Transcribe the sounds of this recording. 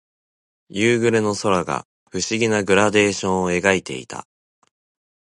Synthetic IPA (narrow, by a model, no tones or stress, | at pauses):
jɯːɡɯ̟ɾeno̞so̞ɾaɡa̰ | ɸɯ̟ɕiɡʲinaɡɯ̟ɾad̪e̞ːɕõɰ̃oe̞ɡait̪e̞̰ḭt̪ʰa̰